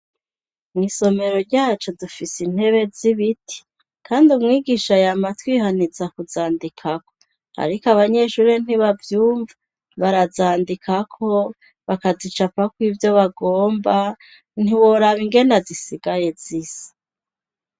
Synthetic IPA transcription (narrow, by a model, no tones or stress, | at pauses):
mŋiso̞me̞ɾo̞ɾɟaːt͡ʃo̞dufisin̥he̞βe̞ziβiti̥ | kʰaːndiumŋiːɡiʃajamatwiɦanizakuzaːndikʰako̞ | a̰ɾikaβaɲe̞ʃuɾen̥iβavjuːɱva | βaɾazaːndikʰakʰo̞ | βakazit͡ʃapakwiːvjo̞βaɡoːmba | n̥iwo̞ɾaβiŋɡe̞nazisiɡ̥aje̞ziːz̥ḁ